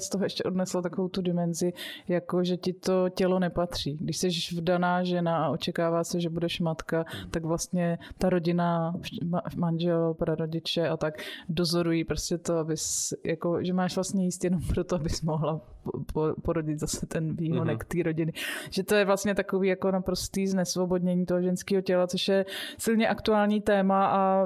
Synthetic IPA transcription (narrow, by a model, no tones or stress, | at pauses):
st̪oɦoɛʃcɛʔo̞dnɛslat̪akovowt̪udɪmɛnzɪjako̞ʒɛcɪt̪o̞cɛlo̞nɛpat̪r̝̥iːɡdɪʃsɛʃvdanaːʒɛnaaʔo̞t͡ʃɛkaːvaːsɛʒɛbudɛʃmat̪kat̪aɡvlast̪ɲɛt̪aɾo̞ɟɪnamamanʒɛlpɾaɾo̞ɟɪt͡ʃɛat̪akdozo̞ɾujiːpɾoscɛt̪oabɪsjakoʒɛmaːʃvlast̪ɲɛjiːst̪jɛnompɾot̪oabɪsmoɦlappoɾoɟɪt̪zasɛt̪ɛnviːɦodɛkt̪iːɾo̞ɟɪnɪʒ̥ɛt̪o̞jɛvlast̪ɲɛt̪ako̞viːjako̞napɾo̞st̪iːznɛsvo̞bo̞dɲɛɲiːt̪oɦoʒɛnskiːɦo̞cɛlat͡soʃjɛsɪlɲɛʔakt̪uaːlɲiːt̪ɛːmaa